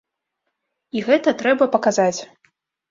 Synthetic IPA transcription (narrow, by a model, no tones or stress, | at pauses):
iɣɛt̪ɐt̪ɾɛbɐpɐkazat͡sʲ